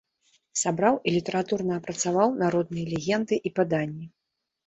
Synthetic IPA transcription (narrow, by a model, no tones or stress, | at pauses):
sabɾawilʲit̪ɐɾat̪urnɐːpɾɐt̪savawnaɾɔd̪̚nɨjɐlʲɛɣʲɛnd̪ɨʔipad̪anʲːi